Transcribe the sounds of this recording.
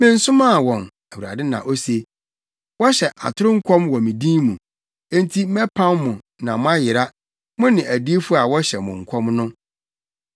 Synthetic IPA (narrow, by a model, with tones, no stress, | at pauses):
mɪ̃˦n̩˦sʊ˦mã˦˨wɔ̃˨n | æ˨wu˨ɾa̰˨dɪ˦nã̰˨ʔo˦se˨ | wɔ˦ɕɛ˨ʔa̰˨tʰʊ˦ɾʊ̃˦ŋ̩˦kʰɔ̃˦mwɔ̃˨mĩ˨dĩ˦mũ˨ | ẽ˦n˦tʰi˦mɛ˦pʰã˦mːʊ̃˨ | nã˨mʊ̃˦a˦jɪ˨ɾa˦ | mʊ̃˦nɪ̃˨ʔæ˨di˦e˦fu˦a˨wɔ˦ɕɛ˨mʊ̰̃˨ŋ̩˨kʷʰɔ̃˦mnʊ̃˦